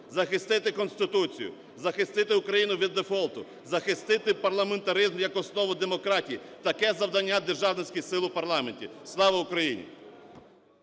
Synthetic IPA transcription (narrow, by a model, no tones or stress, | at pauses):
zɐxɪst̪ɪt̪ɪkɔnst̪ɪt̪ut͡sʲḭjʊ̰ | zɐxɪst̪ɪt̪ɪʊkɾɐjinʊʋʲid̪ːefɔlˠt̪ʊ | zɐxɪst̪ɪt̪ɪpɐrlˠɐment̪ɐɾɪzmjɐkɔsnɔʋʊd̪e̞mɔkɾɑtʲijit̪ɐkɛzɐwd̪ɐnʲːad̪erʒɑwnɪsʲkɪjsɪlˠʊpɐrlˠɑmenʲtʲislˠɑʋɐʊkɾɐjinʲḭ